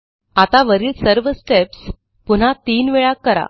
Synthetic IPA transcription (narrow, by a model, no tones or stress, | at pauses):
at̪aʋəɾiːlsəɾʋəsʈeps | pun̤at̪iːnʋeɭakːəɾa̰